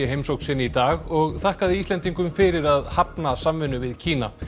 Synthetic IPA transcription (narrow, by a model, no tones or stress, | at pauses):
ɛɦejmsowksɪnːit̪aːɣɔɣθahkaðɪist̪ɛnt̪iŋkʏmfɪɾɪɾaðhapnasamvɪnːʏvɪðcʰiːna̰